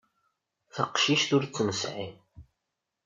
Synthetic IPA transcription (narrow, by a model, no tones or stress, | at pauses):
θəqʃiʃt̪ʊɾt͡sːməsʕḭm